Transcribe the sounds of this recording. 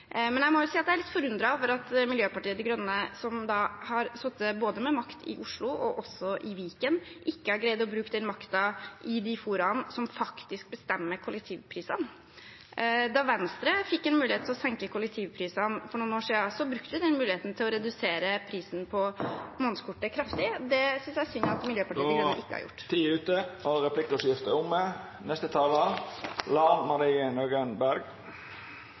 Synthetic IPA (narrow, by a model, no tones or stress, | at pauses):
mɛnjæɪmɔjʊsiːɑt̪̚d̪ɛæɾɭɪt̪fɔɾʉnd̪ɾɑfɔɾɑt̪mɪljøːpɑʈiːəd̪ɪɡɾœnəəsɔmd̪ɑhɑɾsɔt̪ːəboːd̪əmɛmɑkt̪ʰɪ̰ʔʊʂɭʊʔɔʔɔsːɔʔɪʋiːkənʔɪkːəæɾɡɾæɪd̪ɔbɾʉːkd̪ɛnmɑkt̪ɑʔɪd̪ɪfuːɾɑnsɔmfɑkt̪ɪsk̚bəst̪ɛmːəkʰʊlɛk̚t̪ʰiːʋpʰɾiːsɑn | d̪ɑʋɛnst̪ɾəfɪkːɛnmʉːlɪeːt̪ʰɪlɔsɛŋkəkʰʊlək̚t̪ʰiːʋpʰɾiːsɑnfɔɳuːnoːʂiːɑsɔbɾʉkt̪əʋɪd̪ɛnmʉːlɪeːt̪n̩t̪ʰɪlɔɾɛd̪ʉseːɾəpʰɾiːsnpʰɔmonskʰʊʈːəkʰɾɑft̪ɪd̪ɛsʏnsjææʂsʏnɑt̪mɪljøːpɑʈʰiːəʔɪkːəhɑ̰jʊ̰ʈːt̪ʰiːʉːt̪əɔɾɛpʰlɪkːəsjɪft̪əʊmːə | nɛst̪ət̪ʰɑːləlɑːmɑɾiːənoːɡənbæɾɡ